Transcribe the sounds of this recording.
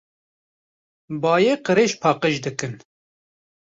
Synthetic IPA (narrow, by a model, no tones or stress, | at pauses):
bɑːjeːqɨɾeːʃpʰɑːqəʒd̪ɨkɨn